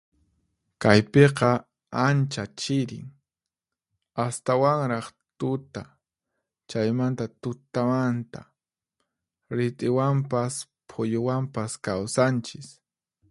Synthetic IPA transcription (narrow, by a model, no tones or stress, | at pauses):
kajpeqɑ | ant͡ʃat͡ʃɪɾɪ̰ŋ | ast̪awaŋɾɑχt̪ʊt̪a | t͡ʃajmant̪at̪ʊt̪amant̪a̰ | ɾɪt̪ʼɪwampas | pʰʊjowampaskawsant͡ʃɪs